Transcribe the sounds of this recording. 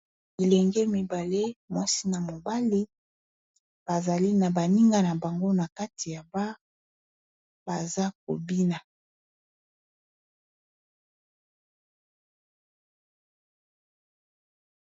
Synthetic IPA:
i˨lɛ˨ŋɡe˦mi˨ba˨le˦mwa˦si˦na˨mo˨ba˦li˦ | b̥a˨za˨li˦na˨ba˨ni˦ŋɡa˦na˨ba˨ŋɡo˦na˨ka˦ti˨ja˨ba˦ | b̥a˨za˦k̚o̰˨bi˦na˨

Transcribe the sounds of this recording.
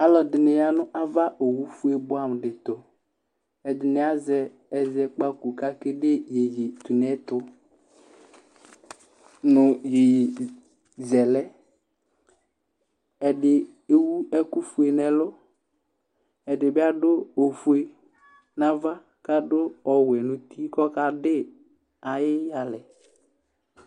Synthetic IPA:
a˨lɔ˨dɪ˨nɪ˨ja˦nʊ˦ʔa˦va˦ʔo˨wu˦fu˦e˨bʊ˦a˨m˨dɪ˨t̪ʊ˨ | ɛ˨dɪ˨nɪ˨a˦zɛ˦ | ɛ˨zɛ˨k͡pa˦ku˨ka˦kɪ˦de˦je˨je˨t̪u˨nɛ˦t̪ʊ˦ | nʊ˨je˨je˨ | zɛ˨lɛ˦ | ɛ˨dɪ˨ | e˨wu˦ɛ˦kʊ˦fu˨e˨nɛ˨lʊ˦ | ɛ˨dɪ˨bɪ˦a˦dʊ˦o˨fu˦e˨ | nã˦va˦ | ka˦dʊ˦ɔ˨wɛ˨nʊ̃˨t̪i˦kɔ˦ka˦dɪ˦ | a˨jɪ˦ja˨lɛ˨

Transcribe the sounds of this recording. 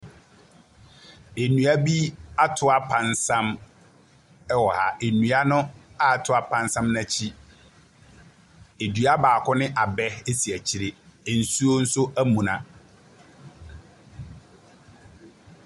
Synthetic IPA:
e˨nũ˨æ˦bi˦a˦tʰʊ˦a˦pʰã˨nsã˦m | ɛ˦wɔ˨ha̰˨ʔe˨nũ˨a˦nʊ̃˦a˦˨tʰʊ˦a˦pʰã˨n˦sã˦mnã˦t͡ɕʰi˦ | e˨dɥa˦baː˨kʰɔ˦nɪ̃˦ʔa˨bɛ˦e˦si˨æ˨t͡ɕʰi˨ɾe˨n̩˨su˦o˦n̩˦sʊ˦ʔæ˦mũ˨nã˨

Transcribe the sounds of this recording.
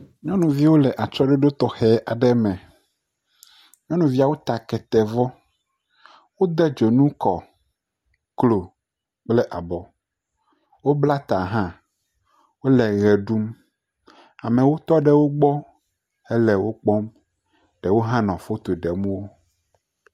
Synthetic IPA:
ɲɔ̃˦nũ˨vi˦wo˦lɛ˨ʔa˨t͡ʃɔ˦ɖɛ˦ɖo˦t̪ɔ˨xɛ˨ʔa˨ɖɛ˦mɛ̃˨ | ɲɔ̃˦nũ˨vi˦a˨wo˦t̪a˨kɛ˨t̪ɛ˨vɔ˦ | wo˦d̪ɛ˦d͡ʒo˨nũ˦kɔ˨ | klo˨ | k͡plɛ˦ʔa˨bɔ˨ | wo˦bla˦t̪a˨ɦã˦ | wo˦lɛ˨ɣɛ˨ɖu˦m | a˨mɛ̃˨wo˦t̪ɔ˦ɖɛ˦wo˦ɡ͡bɔ˦ | ɛ˦lɛ˨wo˦k͡pɔ˦m | ɖ̥ɛ˨wo˦ɦã˦nɔ̃˨fo˦t̪o˨ɖɛ˨mũ˦wo˦

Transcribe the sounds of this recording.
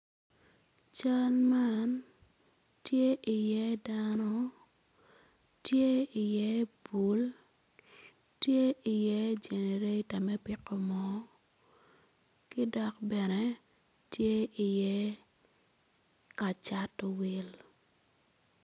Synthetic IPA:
t͡ʃa˦lma˦n | tje˦ʔi˨jɛ˦danɔ˦ | tje˦ɪ˨jɛ˦bu˨l | tje˦i˨jɛ˦d͡ʒe˨ne˨ɾe˦ta˨mɛ˦pɪ˨kɔ˨mɔ˦ | kɪ˦dɔ˨kbɛ˨nɛ˦ | tje˦i˨jɛ˦ | ka˨t͡ʃa˦tɔ˨wi˨l

